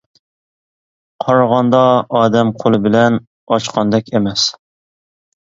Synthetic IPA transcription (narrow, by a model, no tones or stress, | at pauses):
qʰɑɾʁɑnd̪ɑɑːd̪ɛmqʰolˠɨbɪlɛn | ɑt͡ʃqʰɑnd̪ɛkʲemɛs